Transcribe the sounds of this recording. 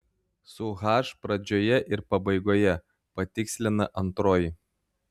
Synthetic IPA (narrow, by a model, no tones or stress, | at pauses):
sʊɣɑːʃpɾɐd͡ʒʲoːjɛʔɪɾpɐbɐɪɡoːjɛ | pɐt̪ʲɪksʲlʲɪnɐʔɐnt̪ɾoːjɪ